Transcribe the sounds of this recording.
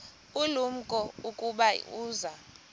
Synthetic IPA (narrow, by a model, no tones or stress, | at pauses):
ulum̩kʼɔukʼuɓauːza